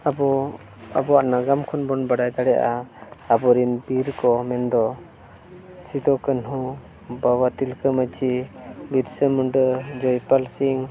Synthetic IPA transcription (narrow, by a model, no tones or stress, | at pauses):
abɔ | a̰bɔwaʔnaɡamkʰɔnbɔnbaɖajd̪aɽɛaʔaabɔɾinbiɾkɔmɛnd̪ɔ | sid̪ɔkənɦu | bawat̪ilkəmət͡ʃibiɾsəmuɳɖəd͡ʒɔjpalsiŋ